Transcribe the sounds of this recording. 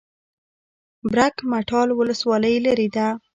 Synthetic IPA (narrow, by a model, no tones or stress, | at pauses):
bɾakmaʈʰɑlwʊləswɑləjlaɾid̪a